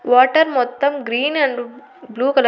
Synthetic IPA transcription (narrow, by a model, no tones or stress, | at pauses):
ʋaːʈɐɾmɔt̪ːɐmɡɾiːnɐɳɖ | bluːkɐlɐ